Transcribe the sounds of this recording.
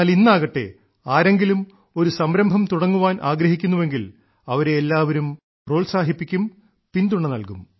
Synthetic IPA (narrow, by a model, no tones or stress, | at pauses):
linːaːɣɐʈːe̞̰ | aːɾe̞ŋɡilum | o̞ɾusɐmɾɐmbʱɐmt̪uɽɐŋːuʋaːnʔaːɡɾɐɦikʲːunːuʋe̞ŋɡil | ɐʋɐɾeːlːaːʋɐɾum | ro̞ːɭsaːɦipːikʲːum | pind̪uɳːenɐlkum